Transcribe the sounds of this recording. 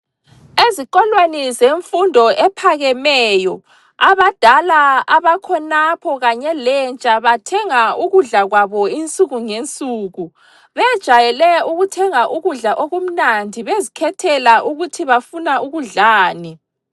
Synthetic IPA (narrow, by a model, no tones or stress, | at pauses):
ezikɔlwanizeɱfundʱɔʔɛpʰaɣɛmɛjɔ | aβad̥ʱalaaβakʰɔnapʰɔɣaɲɛlɛnt͡ʃʼaβatʰɛŋauɣuɮaɣwaβɔint͡sʼuɣuŋent͡sʼuɣu | βɛd̥ʒ̥ʱajɛlɛuɣutʰɛŋaʔuɣuɮaʔoɣum̩nandʱiβezikʰɛtʰɛlaʔuɣutʰiβafunauɣuɮaːni